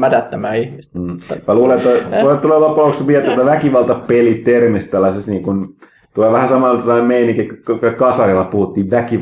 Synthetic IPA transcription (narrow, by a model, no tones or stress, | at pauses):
mæt̪æt̪ːæmæːihmisːʋɑluːlet̪ːoolt̪uleʋɑpːɑlokspiet̪ːæt̪ːæʋækiʋɑlt̪ɑpelit̪ermest̪t̪ælːɑsest̪niːŋkun | t̪uleʋæhæsɑmɑlːɑt̪ɑɑˑnemmeiniŋkekːkɑsɑrilːɑpuhut̪ːiːʋʋæki